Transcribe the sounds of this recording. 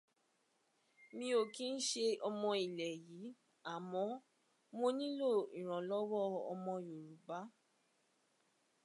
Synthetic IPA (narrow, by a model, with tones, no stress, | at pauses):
mĩ˧o˨kĩ˦n̩˦ʃe˧ɔ˧mɔ̃˧i˨lɛ˨jiː˨˦ | a˨mɔ̃˨˧˦ | mo˧nĩ˦lo˦˨i˨ɾ̃ɔ̃˨lɔ˦wɔ˦˨ɔ̰˧mɔ̃˧jo˨ɾu˨ba˨˦